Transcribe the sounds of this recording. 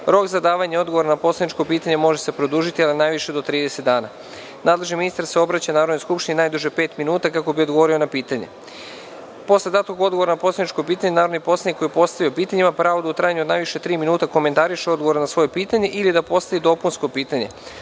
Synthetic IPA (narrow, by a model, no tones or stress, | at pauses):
ɾo̞kzad̪aːʋaɲeo̞d̪ɡo̞ʋo̞ɾanapo̞sled̪nit͡ʃko̞piːt̪aɲe̞mo̞ʒese̞pɾod̪uːʒit̪ialinajʋiʃe̞d̪o̞t̪ɾiːd̪eset̪d̪aːna | naːd̪lˠe̞ʒniminist̪aɾse̞o̞bɾat͡ɕanaːɾod̪nojskupʃt̪ininajd̪uʒepe̞ːt̪minuːt̪akako̞bio̞d̪ɡoʋo̞ɾio̞napiːt̪aɲḛ | po̞slˠed̪at̪koɡo̞d̪ɡooɾanapo̞sled̪nit͡ʃkopiːt̪aɲenaːɾo̞d̪nipo̞sleikːo̞jipo̞st̪aʋiopiːt̪aɲimapɾaːʋod̪aut̪ɾaːjaɲuo̞d̪naːjʋiʃe̞t̪ɾiːminuːt̪ako̞ment̪aɾiʃeo̞d̪ɡoʋoɾanasʋo̞jepiːt̪aɲe̞ʔilid̪apo̞st̪aʋid̪o̞punsko̞piːt̪aɲe̞̰